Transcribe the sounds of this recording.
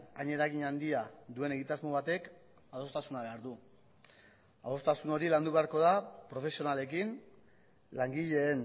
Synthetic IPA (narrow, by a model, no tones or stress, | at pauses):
aɲe̞ɾaɣiɲand̪iaðue̞ne̞ɣit̪azmo̞βat̪e̞k | aðo̞st̪asunaβe̞aɾðu | aðo̞st̪asuno̞ɾiland̪uβe̞aɾko̞ðapɾo̞fe̞sio̞nale̞kin | laŋɡiʎe̞ːn